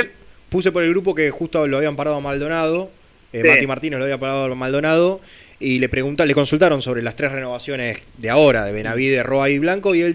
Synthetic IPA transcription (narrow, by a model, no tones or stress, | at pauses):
pus̬e̞poɾe̞lɣɾup̬o̞kexust̪oloaβiampaɾað̞oamald̪o̞naðo̞ | emat̪imaɾt̪inesloaβiapaɾaðoamald̪o̞naðo̞ | ile̞pɾeɣunt̪ale̞ko̞nsult̪aɾo̞nso̞βɾelast̪ɾesreno̞βasjo̞nesd̪eao̞ɾaðeβenaβiðeroaiβlaŋko̞iel